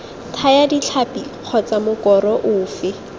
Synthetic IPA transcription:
tʰajadit͡ɬʰapiq͡χʰɔt͡samʊkɔɾɔʔʊːfɪ

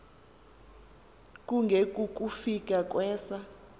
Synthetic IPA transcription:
k̬ʼuŋɡʱekʼuk̬ʼufik̬ʼak̬ʼwɛːsa

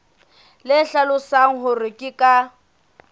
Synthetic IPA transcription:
lɪɬalʊsaŋ̩ɦʊrɪkʼɪkʼa

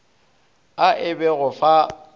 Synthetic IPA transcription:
aʔɪbɛɣʊfa

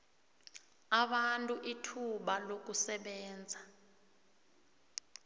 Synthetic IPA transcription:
aɓantʼuʔitʰuɓalok̬usɛɓɛːnd͡zʱa

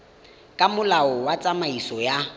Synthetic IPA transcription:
kʼamʊlaɔwat͡sʼamaisɔja

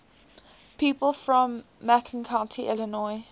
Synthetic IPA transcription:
pʰiˑpəlˠfɹə̃mːɛkʰə̃nkʰãʊ̃ntʰiʔɪlɪnɔɪ

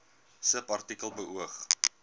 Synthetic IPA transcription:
səpɐrtikəlˠbəʔuəχ

